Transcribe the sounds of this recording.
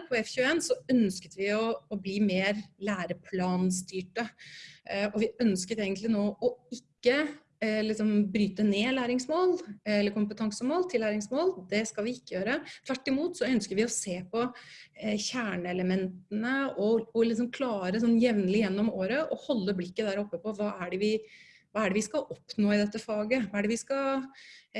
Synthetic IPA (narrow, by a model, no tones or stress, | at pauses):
pʰɔɛfçʉːeːnsɔœnskə̥t̪ʋɪɔːbliːmeːɾlæːɾəpʰlɑːnst̪yːʈə | ɔʋɪœnskət̪eːɡənt̪lɪnoːʔɔɪkːə | lɪksɔmbɾyːt̪əneːlæːɾɪŋsmoːlɛlːəɾkʰʊmpət̪ʰɑŋsəmoːlt̪ʰɪlːæːɾɪŋsmoːld̪ɛskɑlʋɪɪkːəjøːɾət̪ʰʋæʈːɪmuːt̪sɔœnskəɾʋɪɔseːpɔ | çæːɳəɛləmɛnt̪ənəɔɔlɪsɔmkʰlɑːɾəs̬ɔnːjɛʋnəlɪjɛnːɔmoːɾəʔɔhɔlːəblɪkːəd̪æːɾɔpːəpɔʋɑːæɖɛʋɪ | ʋɑːæɖɛʋɪskɑʔɔpnoːɪd̪ɛt̪ːəfɑːɡəʋɑːæɖɛʋɪskɑ